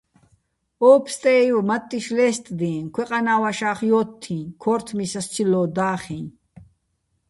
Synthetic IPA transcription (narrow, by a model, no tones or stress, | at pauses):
ɔːpʰst̪ʼɛjumɐt̪ʼːiʃlɛːst̪ʼd̪ɛ̃ːkʰʷwɛqʼanaːwaʃaːχjɔːt̪ʰːĩkʰɔːɾt̪ʰmisɐst͡ʃʰilːɔːd̪aːχĩː